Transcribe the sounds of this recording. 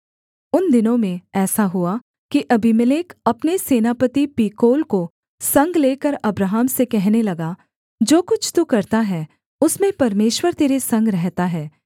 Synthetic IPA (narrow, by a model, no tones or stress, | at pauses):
ʊnd̪ɪnõmẽɛːsaɦua | kiʔɐbʱimɪleːkɐpneseːnapət̪ipiːkoːlko | sɐ̃ŋɡleːkəɾɐbɾaːɦamsekɛɦnelɐɡa | d͡ʒoːkʊt͡ʃʰt̪ukɐɾt̪aɦɛː | ʊsmẽpɐɾmeːʃwəɾt̪eːɾesɐ̃ŋɡɾɛɦt̪aɦɛː